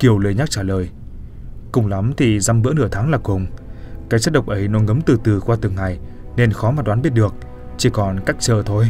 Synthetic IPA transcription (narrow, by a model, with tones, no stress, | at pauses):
ki˨˩əwlə˨˦jɲa˦˥k̚t͡ɕaː˧˩ləː˨˩j | kʊ˨˩ŋ͡mla˨˦mt̪ʰi˨˩za˧mvɨ̰˧˥ənɨ˧˩ət̪ʰaː˨˦ŋlaː˨˩kʊ˨˩ŋ͡mkaː˨˦˥k̚t͡ɕa˦˥t̚ɗə˨˩wk͡p̚ʔə˨˦jnɔ˨˦ŋə˨˦mt̪ɨ˨˩t̪ɨ˨˩kwaː˧t̪ɨ˨˩əŋːa˨˩j | ne˧nxɔ˨˦maː˨˩ɗwaː˨˦nɓi˦˥t̚ɗɨ˨˩ək̚ | t͡ɕi˧˩kɔ˨˩nka˦˥k̚t͡ɕəː˧˩t̪ʰo˧j